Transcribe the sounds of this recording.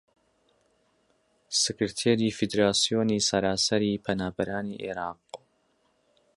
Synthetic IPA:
sɨkɨɾt̪ʰeːɾiːfid̪ɾaːsijoːniːsɐɾaːsɐɾiːpʰɐnaːbɐɾaːniːʔḛɾaːq

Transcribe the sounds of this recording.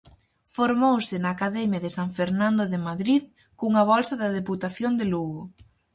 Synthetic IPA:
foɾmowsɪnaːkaðɛmjaðɪsaɱfeɾnãnd̪oðemaðɾið | kuŋɐβɔlsɐðɐðeput̪aθjond̪eluɣo

